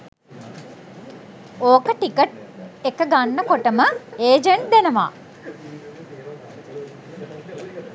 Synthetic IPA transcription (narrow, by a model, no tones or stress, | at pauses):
oːkəʈikəʈ̚ekəɡanːəkoʈəməeːd͡ʒeɳʈ̚d̪enəʋa̰ː